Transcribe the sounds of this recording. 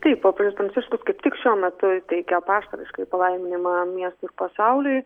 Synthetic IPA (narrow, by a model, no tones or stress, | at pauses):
t̪ɐɪppoːpɾʲɐnʲʊspɾɐnʲt͡s̪ʲɪʃskʊskɐɪpt̪ʲɪkʃʲuɔmʲɛt̪ʊt̪ʲɛɪkʲɛpɑːʃt̪ɐɾʲɪʃkɐɪpɐlˠɐɪmʲɪnʲɪmɐmʲiɛst̪ʊɪɾpɐsɐʊlʲʊj